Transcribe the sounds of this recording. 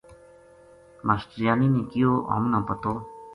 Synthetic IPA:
masʈɾijaːninẽːkijoːɦə̰mnãpət̪oː

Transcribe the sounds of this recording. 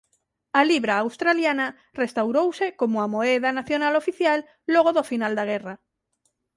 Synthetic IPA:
aliβɾaːwst̪ɾaljana | rest̪awɾowsekomoamoɛðanaθjonalofiθjalː | oɣ̞oðofinald̪aɣɛra

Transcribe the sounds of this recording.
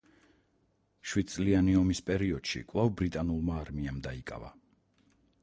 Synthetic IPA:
ʃwid̪̚t̪sʼlianiɔmispʼɛɾiɔd̪̥ʃḭkʼvlˠavbɾit̪ʼanulˠmaːɾmiamd̪aikʼa̰va̰

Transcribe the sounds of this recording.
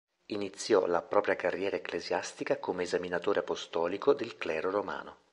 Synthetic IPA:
init̪sːjɔ̰lapɾɔːpɾjakarːjɛːɾaeklezjast̪ikakomeːzaminat̪oːɾeapost̪ɔːlikod̪elklɛːɾoɾoma̰ːno

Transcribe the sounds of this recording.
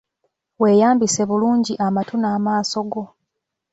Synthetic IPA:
we̞ːjaːmbise̞βuluːɲɟiʔamatunaːmaːso̞ɡo̞

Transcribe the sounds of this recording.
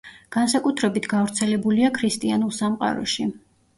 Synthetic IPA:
ɡ̥ansakʼut̪ʰɾɛbit̪ʰɡavɾt̪sʰɛlɛbuliakʰɾist̪ʼianulˠsamqʼa̰ɾɔ̰ʃi

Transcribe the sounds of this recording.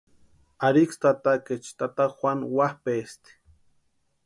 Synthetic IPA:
aɾikst̪at̪aket͡ʃt̪at̪axʷanwahpest̪e̥

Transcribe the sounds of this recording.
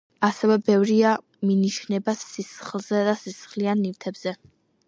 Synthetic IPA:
asɛvɛbɛvɾia | miniʃnɛbasːisχlˠzɛd̪asisχlianːivt̪ʰɛbz̥ɛ

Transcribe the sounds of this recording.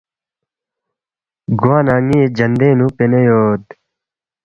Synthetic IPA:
ɡuãːnaːŋeːd͡ʑɐnd̪eːnũpenejoːd̪

